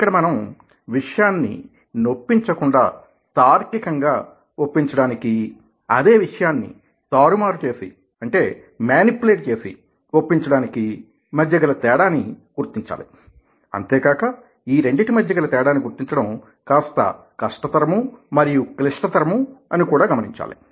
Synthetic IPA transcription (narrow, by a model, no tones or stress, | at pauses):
i̥kːɐɽɐmɐnɐm | ʋiʂɐjaːnːḭ | no̞pːiɲt͡ʃɐkuɳɖa̰ː | t̪aːɾkikɐŋɡaː | opːiɲt͡ʃɐɽaːniki | ɐ̰d̪e̞ːʋiʂɐjaːnːḭ | t̪aːɾumaːɾut͡ʃe̞ːsḭ | ɐɳʈe̞ː | mjaːnipuleːʈ̚t͡ʃe̞ːsḭ | wopːiɲt͡ʃɐɽaːniki | mɐd̪jɐɡɐlɐt̪ɛːɽaːniɡ̥uɾt̪iɲt͡ʃa̰ːli | ɐ̰nt̪eːkaːkɐ | iːɾe̞ɳɖɐʈimɐd̪ʱjɐɡɐlɐt̪ɛːɽaːnːiɡuɾt̪iɲt͡ʃɐɽɐm | kaːst̪ɐ̰ | kɐʂʈɐt̪ɐɾɐmumɐɾijukliʂʈɐt̪ɐɾɐmuɐnikuːɽaːɡɐmɐniɲt͡ʃa̰ːlḭ